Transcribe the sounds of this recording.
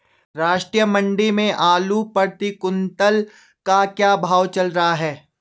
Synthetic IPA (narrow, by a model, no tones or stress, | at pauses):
ɾaːʃʈɾijəmɐ̃ɳɖimẽʔaːlupɐɾt̪ikʊnt̪əl | kakjaːbʱaːwt͡ʃɐlɾɐɦaɦɛː